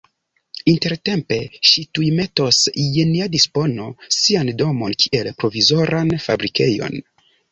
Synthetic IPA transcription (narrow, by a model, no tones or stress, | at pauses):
inte̞ɾte̞mpe̞ʃitujme̞to̞sjeniadispo̞no̞siando̞mo̞nkʰiʔelpɾo̞vizo̞ɾʔanfa̰bɾike̞jo̞̰n